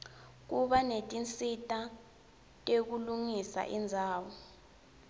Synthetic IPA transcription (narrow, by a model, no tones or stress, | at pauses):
k̬uɓanetʼint͡sʼitʼa | tʼek̬uluŋisa̰ʔind͡zʱaːwɔ